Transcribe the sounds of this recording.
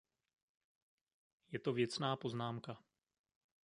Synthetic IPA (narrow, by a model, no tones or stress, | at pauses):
jɛt̪o̞vjɛt͡snaːpo̞znaːmka